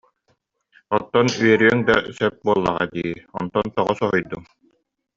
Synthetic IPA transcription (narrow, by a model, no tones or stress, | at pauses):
ɔt̪ːɔnyɛɾyɛŋd̪a̰sɛp̚buɔlˠːa̰ʁa̰d̪iːɔ̰nt̪ɔnt̪ɔʁɔsɔɦɔjd̪uŋ